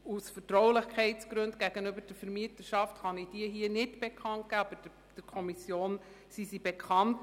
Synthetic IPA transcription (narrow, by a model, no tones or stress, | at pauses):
usfəɾtɾɔwlɪχkʰɛɪtsɡ̥ɾɵndɡ̥æɡ̥ənøbəɾd̥əɾfəɾmiətəʃɑftχɑnɪd̥iəɦiənɪdb̥ekʰχɑnt̚ɡ̥æːɑb̥ə̥ | d̥əɾkʰɔmisjoːn | sisibekʰχɑnt